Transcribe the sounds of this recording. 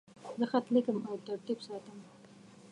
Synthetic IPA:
zəxat̪likəmawt̪aɾt̪ibsɑt̪əm

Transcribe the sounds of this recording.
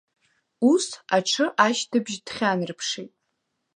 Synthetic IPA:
usaʈ͡ʂʰɨʔaʃtʰɨbʒd̥χʲanrpʰʂejtʼ

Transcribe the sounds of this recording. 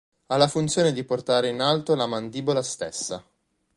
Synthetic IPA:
alːafunt̪sjoːned̪iport̪aːɾeinalt̪olamand̪iːbolast̪esːa̰

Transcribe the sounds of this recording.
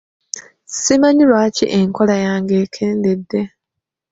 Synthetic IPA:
simaɲilwaːcḭʔeŋko̞lajaːŋɡe̞ːkʰeːnde̞dːe̞

